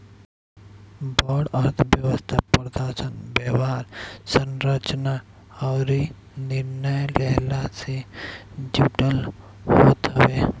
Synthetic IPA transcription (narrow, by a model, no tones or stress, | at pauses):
bɔːɽəɾt̪ʰbjəʋəst̪ʰapəɾd̪aːsənbjeːʋaːɾsənɾət͡ʃna | ɔːɾi | nɪɾnəjlɛːlase | d͡ʒuːʈəl | ɦoːt̪aweː